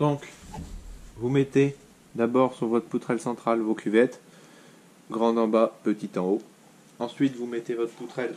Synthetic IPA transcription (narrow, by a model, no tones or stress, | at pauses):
kɔ̃k | vumɛt̪e | d̪abɔʁsyʁvɔt̪χput̪χɛlsɑ̃t̪χalvokʰʲyvɛt̪ | ɡʁɑ̃d̪ɑ̃bapət̪it̪ɑ̃o | ɑ̃sɥit̪vumɛt̪evɔt̪χput̪χɛl